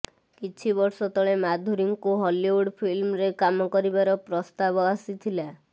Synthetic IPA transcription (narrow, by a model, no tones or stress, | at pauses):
kit͡ʃʰibɔɾsɔt̪ʰɔɭemad̪ʱuɾiŋkuɦɔliuɽpʰilmɾekamɔkɔɾibaɾɔpɾɔst̪aβɔasit̪ʰila